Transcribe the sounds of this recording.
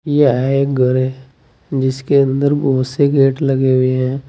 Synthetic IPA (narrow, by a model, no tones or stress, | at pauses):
jeaeɡəɾɦɛ | d͡ʒɪskeə̃nd̪əɾboːseɡeːʈləɡeɦʊeɦɛ̃ː